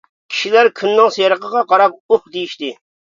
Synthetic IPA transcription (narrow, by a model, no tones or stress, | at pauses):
kʲʰi̥ʃilæɾkʲʰynːɪŋsejɾəqəʁɑqɑɾɑp̚uχd̪ejiʃt̪ɪ